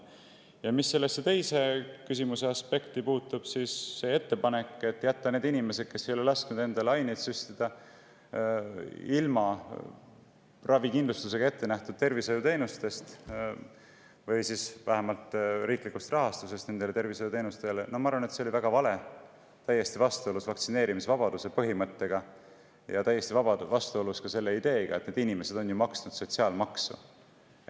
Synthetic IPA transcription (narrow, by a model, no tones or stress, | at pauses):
jɑmisːe̞lːesːet̪e̞jse̞kysimuse̞ɑspe̞kt̪ipuːt̪ːˑub̥sisːe̞e̞t̪ːe̞pɑne̞kːˑe̞t̪ːˑjæt̪ːɑne̞ːd̪inime̞sed̪̚ke̞sːejo̞lelɑsknud̪e̞nd̪̥ɑleɑjnet̪syst̪id̪̥ɑ | ilmɑ | rʔɑvikind̪lust̪use̞ɡ̥ɑe̞t̪ːe̞næht̪ud̪̥̚t̪e̞rvisojut̪e̞ːnust̪e̞st̪ | vɯjsisvæɦæmɑlt̪ˑriːklikːust̪rɑɦɑst̪use̞st̪ne̞nd̪elee̞rvisojut̪e̞ːnust̪e̞lenomɑɑɾvɑne̞t̪se̞o̞livæɡ̥ɑvɑle̞ | t̪æje̞st̪ivɑst̪uolusvɑkt̪sine̞ːɾimisvɑb̥ɑd̪use̞pɤɦimɤt̪ːe̞ɡ̥ɑ | jɑt̪æjːe̞st̪ivɑb̥ɑvɑst̪uo̞luskɑse̞lːe̞id̪̥e̞ːɡ̥ɑ̰e̞t̪ne̞d̪inime̞se̞d̪̥o̞njumɑksnud̪̥so̞t̪ʲsiɑːlmɑksṵ